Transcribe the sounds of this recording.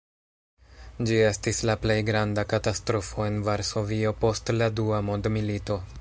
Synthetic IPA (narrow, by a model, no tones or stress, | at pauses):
d͡ʒie̞stislaple̞jɡɾandakatastɾo̞fo̞e̞nvaɾso̞vio̞po̞stladuamo̞ndmilito̞